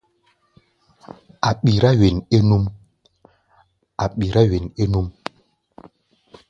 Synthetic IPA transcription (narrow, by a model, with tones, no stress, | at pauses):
a˨ɓi˨ɾa˦ɥe˨ne˦nu˦m | a˨ɓi˨ɾa˦ɥe˨ne˦nu˦m